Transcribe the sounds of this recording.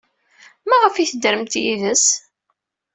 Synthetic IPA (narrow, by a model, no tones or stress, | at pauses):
mæʁəfiθəd̪ɾəmt̪jiðəs